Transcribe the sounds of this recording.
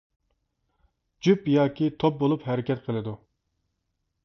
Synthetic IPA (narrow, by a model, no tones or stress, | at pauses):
d͡ʒypjɑːkʲʰit̪ʰop̚bolˠupɦɛɾɪkʲɛt̪qʰəlˠɨd̪u